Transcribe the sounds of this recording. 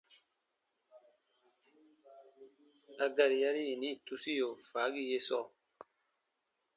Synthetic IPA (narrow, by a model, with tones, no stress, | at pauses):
a˨ɡa˨ɾi˨ja˦ɾi˦ji˨ni˦tu˦si˦jo˨fa˨˦ɡi˦je˦sɔ˦˨